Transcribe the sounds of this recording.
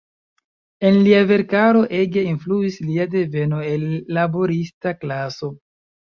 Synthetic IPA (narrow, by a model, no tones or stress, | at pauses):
e̞nliave̞ɾkaɾo̞ʔe̞ɡe̞influisliade̞ve̞no̞enːabo̞ɾistaklaso̞